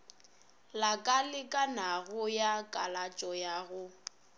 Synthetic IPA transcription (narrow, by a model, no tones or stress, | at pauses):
lakʼalɪkʼanaɣʊjakʼalat͡ʃʼɔjaɣʊ